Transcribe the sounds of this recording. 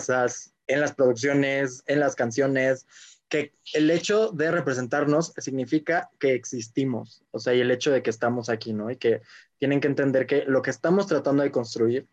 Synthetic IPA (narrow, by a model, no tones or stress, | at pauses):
sas | e̞nlaspɾo̞ð̞uks̬jo̞ne̞se̞nlaskans̬jo̞ne̞ske̞ːle̞t͡ʃo̞ðe̞re̞pɾe̞s̬e̞nt̪aɾno̞ssiɣnifikake̞ːksist̪imo̞s | oseaie̞le̞t͡ʃo̞ð̞e̞ke̞ːst̪amo̞sakino̞ike̞t̪je̞ne̞ŋkent̪e̞nd̪e̞ɾke̞lo̞ke̞ːst̪amo̞st̪ɾat̪and̪o̞ðe̞ko̞nst̪ɾuiɾ